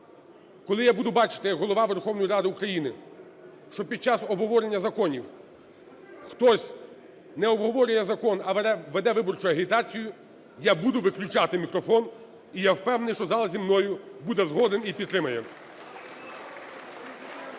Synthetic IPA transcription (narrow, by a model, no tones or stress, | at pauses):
kɔlˠɪjabud̪ʊbɑt͡ʃɪ̥t̪ɪjɐɡɦɔlˠɔʋɑʋerxɔwnɔjiɾɑd̪ɪukɾɐjinɪ | ʃt͡ʃɔpʲid̪̚t͡ʃasɔbɦɔʋɔɾenʲːɐzɐkɔnʲiw | xt̪ɔsʲ | nɛɔbɦɔʋɔɾʲʊjɛzɐkɔnɐʋɛd̪ɛʋɪbɔrt͡ʃʊɐɦit̪ɑt͡sʲijʊ | jabud̪ʊʋɪklʲʊt͡ʃat̪ɪmʲikɾɔfɔn | ijawpɛwnnɪjʃt͡ʃɔzɑlˠɐzʲimnɔjʊbud̪ɛzɦɔd̪enipʲid̪t̪ːɾɪmɐjɛ